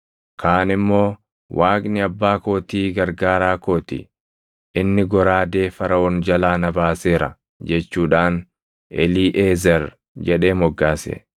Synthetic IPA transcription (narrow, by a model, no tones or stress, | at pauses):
kʰaːnɪmːo̞ː | waːkʼnɪɐbːaːko̞ːt̪iːɡɐɾɡaːɾaːko̞ːt̪ḭ | ʔɪnːɪɡɔɾaːd̪e̞ːfɐɾɐɔnd͡ʒɐlaːnɐbaːseːɾɐ̰ | d͡ʒɛt͡ʃːuːᶑaːn | ʔɛliːʔeːzɐɾ | d͡ʒɛᶑe̞ːmɔɡːaːsḛ